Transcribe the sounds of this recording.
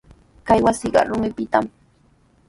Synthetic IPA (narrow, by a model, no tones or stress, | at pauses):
kajwasiɢɑ̰ɾʊmɪpɪt̪am